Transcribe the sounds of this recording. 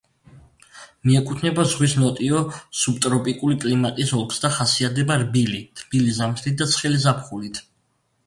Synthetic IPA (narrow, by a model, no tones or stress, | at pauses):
miɛkʼut̪ʰnɛbazʁwisnɔt̪ʼiɔsub̚t̪ʼɾɔpʼikʼulikʼlimat̪ʼisɔlˠkʰsd̪aχasiat̪d̪ɛbaɾbilit̪ʰb̥ilizamt̪ʰlit̪̚d̪at̪sʰχɛlizapχulit̪ʰ